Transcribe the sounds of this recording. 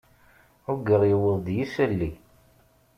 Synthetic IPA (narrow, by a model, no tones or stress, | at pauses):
ʊɡəɾjəwəðˤd̪jisælːi